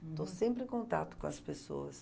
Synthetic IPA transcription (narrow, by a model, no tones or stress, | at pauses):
t̪osẽmpɾɪẽkõnt̪at̪ʊ̥kõɐspeso̰ɐs